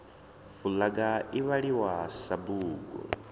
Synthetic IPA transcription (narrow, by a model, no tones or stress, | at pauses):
fulaɡaiβaɺiwasabuːɡɔ̰